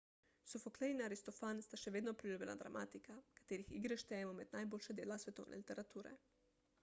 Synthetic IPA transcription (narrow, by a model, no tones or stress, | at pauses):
sofoklɛjnaɾist̪ofanst̪aʃɛʋeːd̪nɔpɾilʲuːbʲjʲɛ̰na̰d̪ɾa̰mʔa̰ːt̪ikakḁt̪eːɾixḭɡɾɛʃt̪ɛjɛmɔmɛd̪̥najboːlʃɛd̪eːlasʋɛt̪o̰wnʔɛ̰lit̪ɛɾat̪uːɾɛ̰